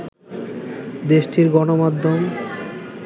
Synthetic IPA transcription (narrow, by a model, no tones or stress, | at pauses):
d̪eʃʈʰiɾɡɔnomad̪ʱːom